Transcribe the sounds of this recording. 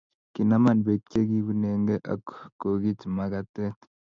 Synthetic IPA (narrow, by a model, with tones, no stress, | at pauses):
ki˨na˦ma˨nbe˨kt͡ʃe˦ki˦ku˦ne˨ŋɡe˦ʔa̰˨kko˨ki˦tma˨ka˦te˦